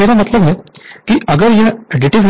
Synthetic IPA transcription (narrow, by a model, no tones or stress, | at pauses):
eːɾamət̪ləbɦɛkiʔəɡəɾjaeɖɪʈiʋn